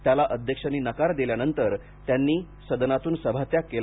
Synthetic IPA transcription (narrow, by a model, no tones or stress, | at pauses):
t̪jalaʔəd̪ʱjəkʂəniːnəkaɾd̪iljanənt̪əɾ | t̪janːiː | səd̪ənat̪uːnsəbʱat̪jakel